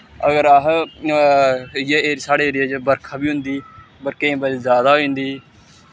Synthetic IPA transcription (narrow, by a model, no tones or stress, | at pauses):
əɡəɾəɦ | jeeːɾsaːɽeːɾeːd͡ʒbəɾkʰaːbiːɦʊ̃nd̪iː | bəɾkẽːbəlzjaːd̪aːɦoːĩːnd̪iː